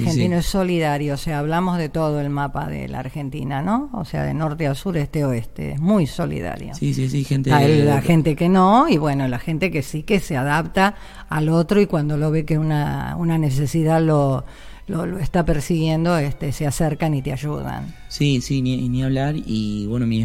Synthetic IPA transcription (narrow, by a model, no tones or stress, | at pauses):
ɾxeninoeso̞liðaɾjoːseaːβlamozðet̪oð̞oelmapa̰ðḛla̰ɾxent̪ḭnanoo̰sea̰ðḛnoɾt̪ealsuɾest̪eoest̪ḛḛzmujso̞lḭða̰ɾjo̰sisisixent̪eaaxent̪ekenoiβwenolaxent̪ekesikeseaðap̚t̪aː | lot̪ɾoikwand̪olo̞βekeuna̰ṵnanes̬esiðalo | loloest̪apeɾsiɣje̞nd̪o̞est̪eseaseɾkanit̪eaʒuða̰n | sisinniaβlaɾiβwenomi